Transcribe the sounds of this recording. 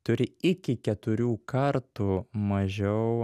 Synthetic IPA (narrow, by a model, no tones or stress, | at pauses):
t̪ʊɾʲɪɪkʲɪkʲɛt̪ʊɾʲuːkɐɾt̪uːmɐʒʲɛʊ